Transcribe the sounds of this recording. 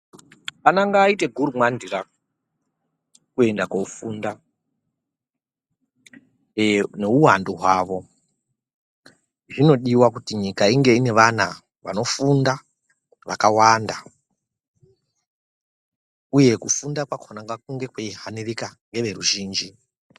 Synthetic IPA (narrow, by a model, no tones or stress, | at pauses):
panaŋɡaːite̞ɡʱuɾumwandira | kue̞ndakoufuːnda | ne̞uwandoɦwaːʋo̞ | ʐino̞ɗiwakutiɲikaiŋɡe̞ine̞ʋan̤a̰ | ʋa̰no̞funda | ʋakawanda | uje̞kufundakwakʰonaŋɡakuŋɡe̞kweiɦanirikaŋɡe̞ʋe̞ruʒiːnd͡ʒi